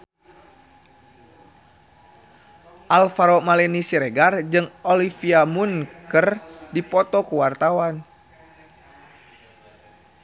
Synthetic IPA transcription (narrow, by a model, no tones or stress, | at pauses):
ʔalfaɾɔmalɛnisiɾɛɡard͡ʒɨŋɔlifiamunkərdipɔt̪ɔkuwart̪awan